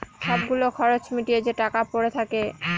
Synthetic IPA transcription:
ʃɔb̚ɡulokʰɔɾot͡ɕmiʈied͡ʑeʈakapoɾet̪ʰake

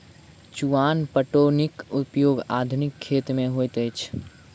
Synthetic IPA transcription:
t͡ʃuaːnpəʈonikʊpjoːɡa̰d̪ʱʊnikʰːeːt̪mẽɦojt̪əjt͡ʃʰ

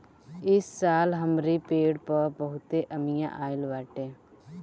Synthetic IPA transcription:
ɪsːaːlɦəmɾiːpeːɽpəpəɦʊt̪eːʔəmɪjã̰ʔaːɪlʋaːʈeː

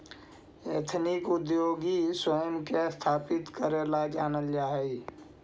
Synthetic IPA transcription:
et̪ʰnɪkʊd̪joːɡiswəjəmkest̪ʰaːpɪt̪kəɾeːlad͡ʒaːnəld͡ʒaːɦɛi

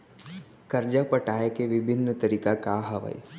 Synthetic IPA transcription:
kɐɾd͡ʒapəʈaːjekeʋɪbʱɪnːət̪əɾiːkakaɦɐʋa̰j̰

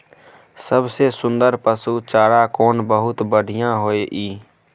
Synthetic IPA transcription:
səbsesʊnd̪əɾpəsut͡ʃaːɽakoːnbəɦʊt̪bəɽ̤ʱijãɦoːeʔiː

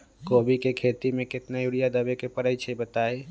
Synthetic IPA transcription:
koːbʱikekʰet̪imẽkɪt̪najuɽijad̪əbekepəɾəjt͡ʃʰɛbət̪ai

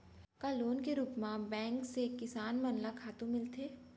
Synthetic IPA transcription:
kaːloːnkeɾuːpmãbɛ̃ːŋksekɪsaːnmɐnlakʰaːt̪ũmɪlt̪ʰeː

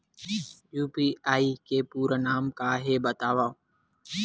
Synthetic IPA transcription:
juːpiːaːiːkeːpuːɾənaːmkaːɦeːbət̪aːʋaː

